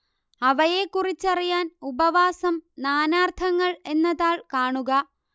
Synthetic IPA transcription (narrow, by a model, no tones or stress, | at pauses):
ɐʋɐje̞kːurit͡ɕːɐrijaːnubɐʋaːsɐmnaːnaːrt̪ʰɐŋːɐɭe̞nːɐðaːɭkaːɳuɣɐ